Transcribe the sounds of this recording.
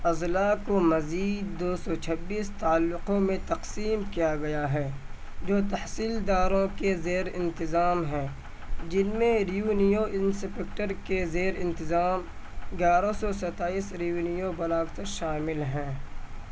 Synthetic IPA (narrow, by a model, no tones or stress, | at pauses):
ɐzlakomɐziːd̪̚ːoːsɔt͡ʃʰɐbːiːst̪aːəlːʊqõmẽt̪ɐqsiːmkijaɡɐjaɦɛː | d͡ʒoːt̪ɐhsiːld̪aːɾõkezeːɾɪ̃nt̪ɪzaːmɦɛ̃ː | d͡ʒɪnmẽɾijuːnijoɪnsɪpek̚ʈəɾkezeːɾɪ̃nt̪ɪzaːmɡjaːɾosɔsɐt̪aːiːsɾijuːnijobɐlaːkt̪ɐɾʃaːmɪlɦɛ̃ː